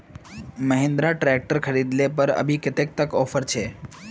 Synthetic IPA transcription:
məɦɪ̃nd̪ɾaʈɾɛk̚ʈəɾkʰəɾid̪lepəɾə̰bʱikɪt̪ek̚t̪əkɔfʰəɾt͡ʃʰe

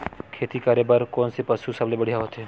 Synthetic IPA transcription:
kʰeːt̪ikaːɾebəɾkɔːnsepɐsusɐblebəɽijaɦoːt̪ɦeː

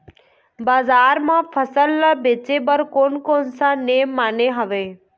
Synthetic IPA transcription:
baːzaːɾmãpʰəsəlːabeːt͡ʃebəɾkoːnkoːnsãːneːmːaːneɦəʋeː

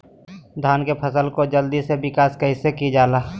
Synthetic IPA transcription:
d̪ʱaːnkepʰəsəlkod͡ʒəld̪isebɪkaːskeɦɪsekid͡ʒaːlaː

